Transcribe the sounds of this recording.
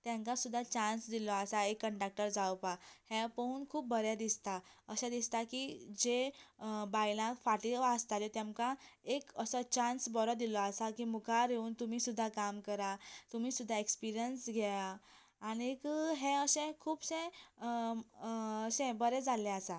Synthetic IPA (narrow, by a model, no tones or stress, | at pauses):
t̪jãŋkasud̪ʱːat͡ɕãnsd̪ilɔasaekːəɳʈak̚ʈəɾd͡zawpahẽpəuːnkʰuːp̚bəɾjad̪ist̪aəɕɛ̃d̪ist̪akid͡ʑe | bajlãfaʈiast̪alet̪jãmkaekəsət͡ɕansbɔɾɔd̪ilɔasakiːmukʰaɾeuːnt̪umiːsud̪ʱːakamkəɾat̪um̤iːsud̪ʱːaekspiɾijənsɡʱɛjaː | ñikəɦɛ̃əɕɛ̃kʰuːpsɛ̃ | əɕẽbəɾɛd͡zalɛ̃asa